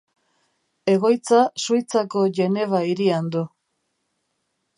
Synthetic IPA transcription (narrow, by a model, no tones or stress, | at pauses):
e̞ɣo̞jt͡sasujt͡sako̞ʝe̞ne̞β̞aiɾiand̪u